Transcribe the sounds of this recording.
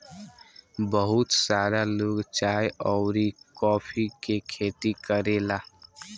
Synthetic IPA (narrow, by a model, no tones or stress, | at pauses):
bəɦʊt̪saɾaloːɡt͡ʃaːjɔːɾikɔːpʰikekʰeːt̪ikəɾela